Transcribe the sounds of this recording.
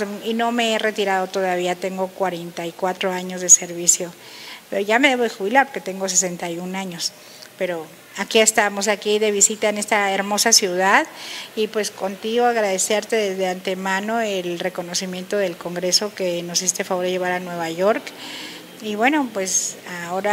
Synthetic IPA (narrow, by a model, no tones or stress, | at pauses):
ino̞me̞ere̞t̪iɾað̞o̞t̪o̞ðaβ̞iat̪e̞ŋɡo̞kwaɾe̞nt̪ajkwat̪ɾo̞aɲo̞zðe̞se̞ɾβisjo̞ | pʝame̞ðe̞βo̞ð̞exuβilaɾpoɾke̞t̪e̞ŋɡo̞s̬e̞s̬e̞nt̪ajunaɲo̞s | pe̞ɾo̞ | akie̞st̪amo̞s̬akiðe̞βisit̪aene̞st̪aeɾmo̞sasjuðaðipwe̞sko̞nt̪iɣo̞aɣɾaðe̞se̞ɾt̪e̞ðezðe̞ant̪e̞mãno̞elre̞ko̞no̞simje̞nt̪oðelko̞ŋɡɾe̞so̞keno̞sist̪efaβoɾðeʝeβ̞aɾanweβaʝo̞ɾk | iβwe̞no̞pwe̞sao̞ɾa